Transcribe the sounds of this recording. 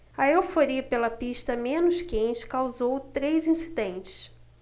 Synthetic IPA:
ɐewfoɾiɐpelɐpiʃt̪ɐmẽnʊʃkẽjt͡ʃɪ̥kawzowt̪ɾejzĩsid̪ẽnt͡ʃɪ̥s

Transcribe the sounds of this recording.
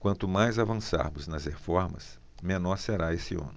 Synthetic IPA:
kwɐ̃nt̪ʊmajzavɐ̃sa̰ɾmʊznɐzhefɔɾmɐ̰s | mẽnɔɾseɾaesɪɐ̰̃nʊ

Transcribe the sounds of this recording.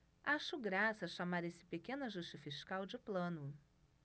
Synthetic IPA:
aʃʊɡɾasɐʃamaɾesɪ̥pekẽnɐʒuʃt͡ʃɪfiʃkawd͡ʒɪplɐ̃nʊ

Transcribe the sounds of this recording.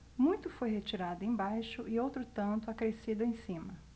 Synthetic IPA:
mũj̃t̪ʊfojhet͡ʃiɾad̪ʊẽj̃bajʃʊʔɪowt̪ɾʊt̪ɐ̃nt̪ʊakɾesid̪ʊẽj̃sĩmɐ

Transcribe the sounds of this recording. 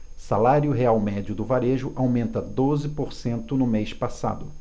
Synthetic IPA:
salaɾjʊɦeawmɛd͡ʒʊd̪ʊvaɾeʒʊʔawmẽnt̪ɐd̪ozɪpoɾsẽnt̪ʊnʊmejspasa̰d̪ʊ

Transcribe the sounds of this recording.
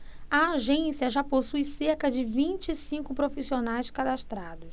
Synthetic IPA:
ɐaʒẽsiɐʒaposujseɾkɐd͡ʒɪvĩt͡ʃɪsĩkʊpɾofisionajskad̪aʃt̪ɾad̪ʊs

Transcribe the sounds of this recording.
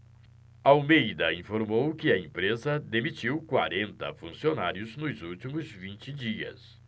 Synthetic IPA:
awmejd̪ɐĩfoɾmowkɪɐẽpɾezɐd̪emit͡ʃiwkwa̰ɾẽnt̪ɐ̰fũsionaɾjʊznʊzuwt͡ʃimʊzvĩnt͡ʃɪd͡ʒiɐ̰s

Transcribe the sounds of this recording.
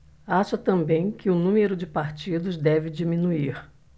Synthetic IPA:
aʃɐt̪ɐ̃mbẽj̃kɪʊnũmeɾʊd͡ʒɪpaɾt͡ʃid̪ʊzd̪ɛvɪd͡ʒimĩnuiɾ

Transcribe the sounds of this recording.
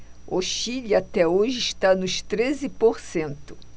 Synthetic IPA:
oʃiʎat̪ɛoʒɪiʃt̪anʊʃt̪ɾezɪpoɾsẽnt̪ʊ̥

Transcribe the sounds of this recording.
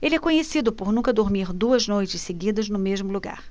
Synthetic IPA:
elɪɛkõɲesid̪ʊpoɾnũkɐd̪oɾmiɾd̪uɐznojt͡ʃɪsseɡid̪ɐznʊmeʒmʊluɡa̰ɾ

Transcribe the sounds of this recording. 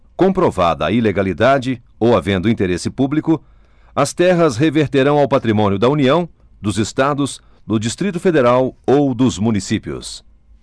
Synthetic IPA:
kõpɾova̰d̪ɐɐ̰ileɡalid̪ad͡ʒɪ | owavẽnd̪ʊĩt̪eɾesɪpublikʊ | ɐst̪ɛɦɐsɦeveɾt̪eɾɐ̃w̃awpat̪ɾimõnjʊd̪ɐuniɐ̃w̃ | d̪ʊzest̪ad̪ʊz | d̪ʊd͡ʒist̪ɾit̪ʊfed̪eɾawowd̪ʊzmũnisipiʊ̰s

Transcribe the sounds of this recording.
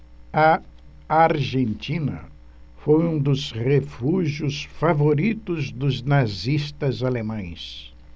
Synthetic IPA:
ɐ | aɾʒẽnt͡ʃĩnɐ̰ | fojũd̪ʊzʁefuʒjʊsfavoɾit̪ʊzd̪ʊznazist̪ɐzalemɐ̃j̃s

